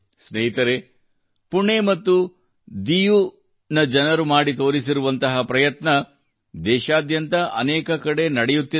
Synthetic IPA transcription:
sneɦit̪ɐɾe | puɳeːmɐt̪ːu | d̪iju | nɐd͡ʒɐnɐɾumaːɽit̪o̞ːɾisiɾuʋɐnt̪ɐɦɐpɾɐjɐt̪nɐ | d̪ɛːʃaːd̪jɐnt̪ɐʔɐ̰nɛːkɐkɐɽe̞nɐɽejut̪ːi

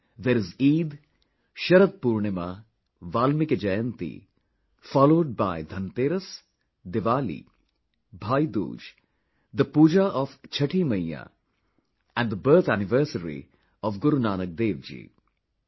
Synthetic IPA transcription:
d̪eːɾɪziːd̪ | ʃɐɾət̪̚puːɾɳɪma | ʋaːlmɪked͡ʒɐjə̃nt̪ḭ | fɔːloːɖ̚baɪd̪ʱɐnt̪eːɾəs | d̪ɪʋaːlḭː | bʱaːjd̪ṵːd͡ʒ | d̪əpuːd͡ʒaʔɔʋt͡ʃʰɐʈʰiːmɐjːa̰ː | ɛ̃ɳɖd̪əbəːɾt̪ʰæːnɪʋəɾsəɾḭ | ɔʋɡʊɾunaːnək̚d̪eːʋd͡ʒḭː

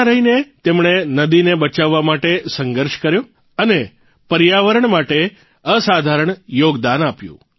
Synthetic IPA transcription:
ɾəɦinet̪emɳenəd̪inebət͡ʃaʋːamaʈesəŋɡəɾʃkəɾjo | əne | pəɾjaʋəɾəɳmaʈe | əsad̪ʱaɾəɳjoɡd̪anapjṵ̃

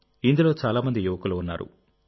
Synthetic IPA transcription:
ind̪ulo̞ːt͡ʃaːlaːmɐnd̪ijuʋɐkuluunːa̰ːɾṵ

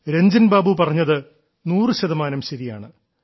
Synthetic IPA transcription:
ɾeɲd͡ʑɐnbaːbupɐrɐɲːɐðɨ | nuːrɨɕɐðɐmaːnɐmɕɐɾijaːɳɨ

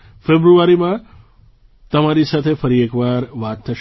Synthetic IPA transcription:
febɾuaɾimã | t̪əmaɾisat̪ʰefəɾiekʋaɾʋat̪ːʰəʃ

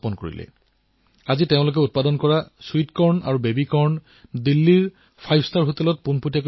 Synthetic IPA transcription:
pɔnkoɹḭlɛ̰ | aziteʊ̃lok̬ɛut̚padɔnkɔɹasuitkɔɹna̰ɹubebikɔɹn | dilːiɹ | pʰajbʰʱstaɹɦotɛlɔt̚punpotijak

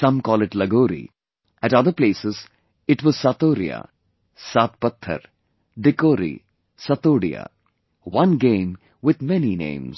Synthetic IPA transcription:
sʌ̃mkɔːlɪʈləɡoːɾḭ | ʔæʈʌd̪əɾpleːsɪz | ɪʈwɔz̥saːt̪oːɾḭa̰ | saːt̪̚pət̪ʰːə̰ɾ | ɖ̪ɪkoːɾḭ | sat̪oːɽḭa̰ | wʌ̃nɡẽːm | wɪd̪mɛninḛ̃ːmz̥

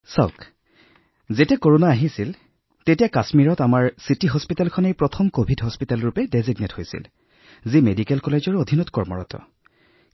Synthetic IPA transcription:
sa̰ʊk | zetɛkoɹonaːɦisil | tetijakasmiɹɔtamaɹsitiɦɔspitalkʰɔnejpɹɔtʰɔmkobʱidɦɔspitalɹupɛdeziɡnethojsḭl | zimedikɛlkɔled͡ʒɔɹod̪ʱinɔtkɔɹmɔ̰ɹɔ̰tɔ̰

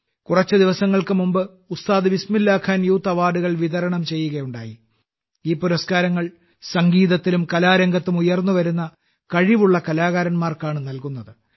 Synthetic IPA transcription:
kurɐt͡ɕːɨd̪iʋɐsɐŋːɐɭkɨmumbɨ | ust̪aːðɨʋismilːaːkʰaːnjuːt̪ːɐʋaːɖuɣɐɭʋiðɐɾɐɳɐmt͡ɕe̞jːuɣɐjuɳɖa̰ːji | iːpuɾɐskaːɾɐŋːɐɭ | sɐŋɡiːðɐt̪ːilumkɐlaːɾɐŋɡɐt̪ːumujɐrnːuʋɐɾunːɐ | kɐɻiʋuɭːɐkɐlaːɣaːɾɐnmaːrkaːɳɨnɐlkunːɐðɨ

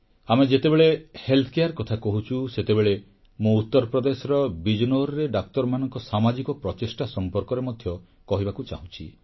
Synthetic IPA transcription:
amed͡ʒet̪ebeɭehelt̪ʰɔkejaɾkɔt̪ʰakɔɦut͡ʃʰuset̪ebeɭe | mout̪ːɔɾpɾɔd̪esɔɾɔbid͡ʒnoɾɔɾeɖak̚t̪ɔɾmanɔŋkɔsamad͡ʒikɔpɾɔt͡ʃesʈasɔmpɔɾkɔɾemɔd̪ʱjɔ | kɔɦibakut͡ʃa̰ɦũt͡ʃʰi

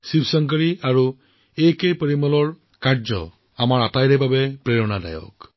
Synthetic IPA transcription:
sibsɔŋkəɹiaɹu | ekejpeɹimɔlɔɹ | kaɹd͡ʒɔ̰ | amaɹatajɾɛbabɛpɹeɹɔnada̰jɔ̰k

